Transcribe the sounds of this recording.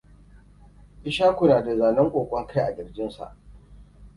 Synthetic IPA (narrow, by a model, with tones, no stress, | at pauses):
ʔɪ˦ʃaː˦kʷʊ˨naː˨da˨zaː˨nɐ˦ŋkʷʼoː˨kʷʼɔ˦ŋkʰa˦jʔa˨ɡʲɪ˨rd͡ʒɪ˦nsa̰˨ʔ